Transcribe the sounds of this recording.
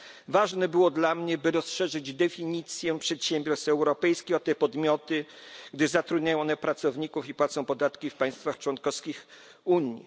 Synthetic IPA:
vaʐnɛbɘwɔd̪lamɲɛbɘɾɔsʂɛʐɘd͡ʑd̪ɛfʲiɲit̪sʲjɛpʂɛt̪ɕɛmbʲjɔɾst̪ɛwɾɔpɛjskʲiɔt̪ːɛpɔd̪mʲjɔt̪ɘɡd̪ɘzat̪ɾud̪ɲajɔ̃ɔnɛpɾat̪sɔvɲikufipwat̪sɔ̃w̃pɔd̪at̪kʲifpaj̃st̪faxt͡ʂwɔnkɔskʲix | uɲji

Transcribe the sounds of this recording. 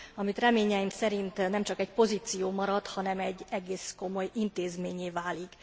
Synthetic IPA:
ɒmit̪rɛmeːɲɛimsɛɾint̪nɛmt͡ʃɒkɛcpo̞ziːt̪sijoːmɒɾɒt̪hɒnɛmɛɟːɛɡeːsko̞mo̞jint̪eːzmeːɲeːvaːlik

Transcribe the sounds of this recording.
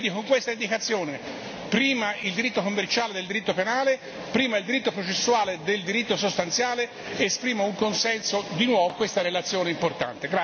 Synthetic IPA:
d̪ikoŋkwest̪aind̪ikat̪sːjoːne | pɾiːmaild̪iɾit̪ːokomːert͡ʃaːled̪eld̪iɾit̪ːopenaːle | pɾiːmaild̪iɾit̪ːopɾot͡ʃesːuaːled̪eld̪iɾit̪ːosost̪ant̪sjaːle | espɾiːmouŋkonsɛnsod̪inwɔːvokwest̪aɾelat̪sːjoːneimport̪a̰nt̪eɡɾa

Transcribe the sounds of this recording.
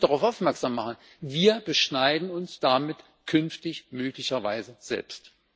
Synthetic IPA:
d̥aʁaʊfʔaʊfmɛɐkz̥amːaχn̩ | viːɐbəʃnaɪdn̩ʊnsd̥amɪt | kʰʏnftɪçmøːklɪçɐva̰ɪzəz̥ɛ̰lpst

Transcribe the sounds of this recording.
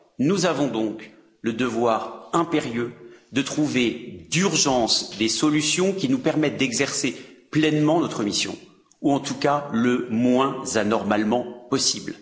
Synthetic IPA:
nuzavɔ̃d̪ɔ̃k | ləd̪əvwaʁɛ̃peʁjød̪ət̪χuved̪yʁʒɑ̃sd̪esɔlysjɔ̃kʲinupɛʁmɛt̪̚d̪ɛɡzɛʁseplɛnmɑ̃nɔt̪χəmisjɔ̰̃ | uɑ̃t̪ukaləmwɛ̃zanɔʁmalmɑ̃pɔsibl

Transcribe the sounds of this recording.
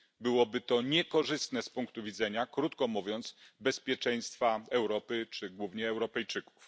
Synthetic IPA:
bɘwɔbɘt̪ɔɲɛkɔʐɘst̪nɛspuŋkt̪uvʲid̪zɛɲakɾut̪kɔmuvʲjɔnt̪sbɛspʲjɛt͡ʂɛj̃st̪faɛwɾɔpɘt͡ʂɘɡwuvɲɛːwɾɔpɛjt͡ʂɘku̥f

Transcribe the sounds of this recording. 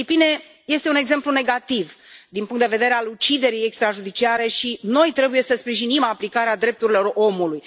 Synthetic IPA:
ipine̞ | je̞st̪e̞une̞ɡze̞mplune̞ɡat̪ivd̪inpuŋkt̪d̪eve̞d̪eɾe̞alut͡ʃid̪e̞ɾijekst̪ɾaʒud̪it͡ʃiaɾe̞ʃino̞jt̪ɾe̞bujesəspɾiʒinimaplikaɾead̪ɾe̞p̚t̪uɾilo̞ro̞muluj

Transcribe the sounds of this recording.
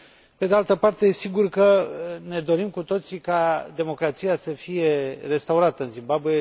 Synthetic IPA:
pe̞d̪ealt̪əpart̪e̞siɡurkəne̞d̪o̞ɾimkut̪o̞t̪sikad̪e̞mo̞kɾat̪sijasəfije̞re̞st̪auɾat̪əɨnzimbabuje̞

